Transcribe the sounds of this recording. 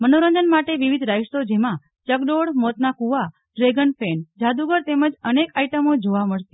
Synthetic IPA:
mənoɾəɲd͡ʒənmaʈeʋiʋid̪ʱɾaist̪od͡ʒemã | t͡ʃəkɖoɽmot̪nakuʋa | ɖɾeɡənpʰend͡ʒad̪uɡəɾt̪eməd͡ʒənekaiʈəmod͡ʒoʋaməɭt̪i

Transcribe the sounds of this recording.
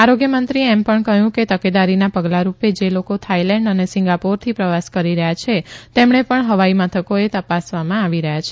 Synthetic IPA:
aɾoɡjəmənt̪ɾiɛmpəɳkəɦjũket̪əked̪aɾinapəɡlaɾuped͡ʒelokot̪ʰailɛ̃ɳɖənesɪ̃ŋɡapoɾt̪ʰipɾəʋaskəɾiɾəɦjat͡ʃʰet̪emɳepəɳɦəʋaimət̪ʰəkoet̪əpasʋamãaʋiɾəɦjat͡ʃʰe

